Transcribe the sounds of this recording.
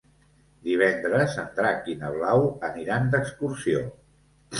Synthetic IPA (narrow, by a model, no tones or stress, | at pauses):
d̪iβ̞ɛnd̪ɾəzənd̪ɾakinəβlawəniɾand̪əkskursio